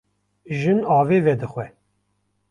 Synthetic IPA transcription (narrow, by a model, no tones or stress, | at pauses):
ʒɨnɑːveːvɛd̪ɨxʷɛ